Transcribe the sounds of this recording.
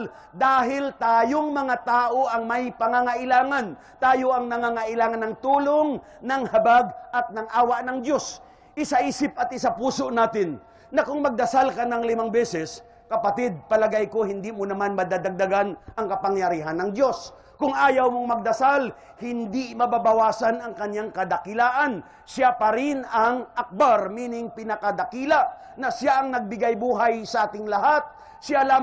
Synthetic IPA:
d̪aːɦɪlt̪aːjoŋmɐŋat̪aːʔo̞ʔɐŋmɐjpɐŋaŋaʔɪlaːŋan | t̪aːjoʔɐŋnɐŋaŋaʔɪlaːŋanːɐŋt̪uːloŋ | nɐŋhɐbaɡʔɐt̪̚nɐŋʔaːwɐʔnɐŋd̪jo̞s | ʔɪsaʔiːsɪp̚ɐt̪̚ʔɪsapuːsoʔnaːt̪ɪn | nɐkʊŋmɐɡ̚d̪ɐsalkanɐŋlɪmaŋbɛːsɛs | kɐpɐt̪ɪd̪̚pɐlɐɡajkohɪnd̪imonɐmanmɐd̪ad̪aɡ̚d̪aɡanʔɐŋkɐpaŋjɐɾiːɦɐnːɐŋd̪jo̞s | kʊŋʔaːjɐwmoŋmɐɡ̚d̪ɐsal | hɪnd̪imɐbabɐwaːsanɐŋkɐɲjaŋkɐd̪ɐkɪlaːʔɐn | sapɐɾɪnɐŋʔak̚baɾmiːnɪŋpɪnɐkɐd̪ɐkiːlɐ | nɐsjaʔɐŋnɐɡ̚bɪɡajbuːɦajsɐʔaːt̪ɪŋlɐɦat̪̚ | sjalaː

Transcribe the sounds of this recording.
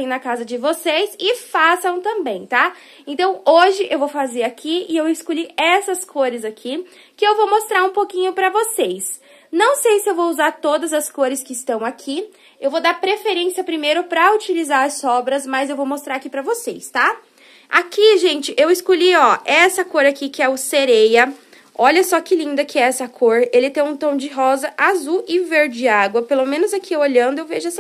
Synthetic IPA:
ẽj̃nɐkazɐd͡ʒɪvosejsɪfasɐ̃w̃t̪ɐ̃mbẽj̃t̪a | ẽt̪ɐ̃w̃oʒɪʔewvowfazeɾakʰiɪewɪskoʎiɛsɐskʰoɾɪzakʰi | kɪewvowmost̪ɾaɾũpokĩɲʊpɾɐvosejs | nɐ̃w̃sejsɪewvowuzaɾt̪od̪ɐzɐskoɾɪskɪːst̪ɐ̃w̃akʰi | ewvod̪aɾpɾefeɾẽsiɐpɾimejɾʊpɾɐut͡ʃilizaɾɐsɔbɾɐzmɐzewvowmost̪ɾaɾakipɾɐvosejst̪a | a̰kiʒẽnt͡ʃɪʔewɪskoʎiɔɛsɐkoɾakikɪɛʊseɾejɐ | ɔʎɐsɔkɪlĩnd̪ɐkɪɛsɐkʰoɾelɪt̪ẽj̃ũt̪ɐ̃w̃d͡ʒɪɦɔzɐʔazuɪveɾd͡ʒɪaɡwɐpelomẽnʊzakʰieoʎɐ̃nd̪ʊewveʒʊɛsɐ

